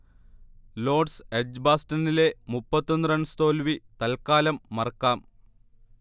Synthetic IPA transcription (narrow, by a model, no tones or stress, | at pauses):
lo̞ːɖsed͡ʑbaːsʈɐnile̞mupːɐt̪ːonːɨɾɐɳst̪o̞ːlʋit̪ɐlkaːlɐmːɐrkːaːm